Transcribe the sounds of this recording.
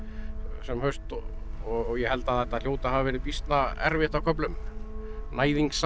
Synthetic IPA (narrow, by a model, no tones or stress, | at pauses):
sɛmhœɥst̪ɔ | ɔɣjɛhɛl̪t̪aðθɛht̪ːaðljoːwt̪ahavavɛːɾɪpist̪naɛ̰ɾvɪht̪akʰɔp̬lʏm | nʔaːjðiŋks